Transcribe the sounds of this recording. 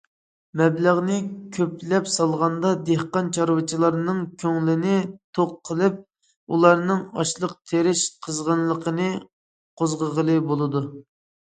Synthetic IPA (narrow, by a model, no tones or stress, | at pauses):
mɛblæʁnɨkʲʰøplɛpsɑlˠʁɑnd̪ɑd̪ehqɑnt͡ʃʰɑɾwɨt͡ʃʰilˠɑɾnɨŋkʲʰøŋlɪnɪt̪ʰoqʰːəlˠɨp̚ | ulˠɑɾnɨŋɑ̰ʃlˠəq̚t̪ʰeɾɪʃqʰəzʁənlˠəqʰənɨ | qʰozʁəʁəlˠɨbolˠɨd̪u